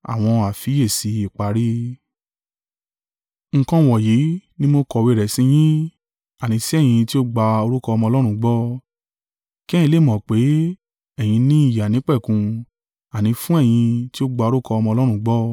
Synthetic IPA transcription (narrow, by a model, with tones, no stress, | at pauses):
a̰˨w̃ɔ̃˧a˨fi˨˦je˦˨si˨˦i˨k͡pa˨˦ɾi˦ | ŋ̩˧kɔ̃˧wɔ˨ji˨˦nĩ˦mo˧kɔ˧we˧˨ɾɛ˨sĩ˧j̃ĩ˦ | a˨nĩ˨˧si˦ɛ˦˨j̃ĩ˧ti˦o˦ɡ͡ba˧o˧ɾu˦kɔ˧ɔ˧mɔ̃˧lɔ˦ɾ̃ũ˧˦ɡ͡bɔ˦ | ki˦jĩ˧le˦˨mɔ̃˨k͡pe˨˦ | ɛ˦˨j̃ĩ˧nĩ˦i˦˨ja˨nĩ˨˦k͡pɛ˦˨kũ˧ | a˨nĩ˧fũ˦ɛ˦˨j̃ĩ˧ti˦o˦ɡ͡ba˧o˧ɾu˦kɔ˧ɔ˧mɔ̃˧lɔ˦ɾ̃ũ˧˦ɡ͡bɔ˦